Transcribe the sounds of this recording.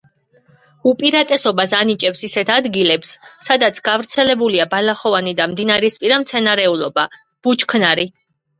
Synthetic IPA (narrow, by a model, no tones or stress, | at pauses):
upʼiɾat̪ʼɛsɔbasanit͡ʃʼɛpsisɛt̪ʰad̪ɡilɛpssad̪at̪sʰɡavɾt̪sʰɛlɛbuliabalaχɔvanid̪amd̪inaɾɛspʼiɾamt̪sʰɛnaɾɛulˠɔba | b̥ut͡ʃʰkʰnaɾi